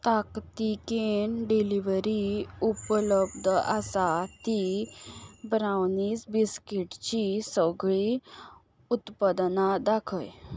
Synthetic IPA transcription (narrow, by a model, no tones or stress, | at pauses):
t̪akt̪ikenɖiliʋɾiupələbd̪ʱəʔasat̪i | bɾawniːsbiskiʈt͡ɕisəɡɭi | ut̪pad̪nad̪akʰəj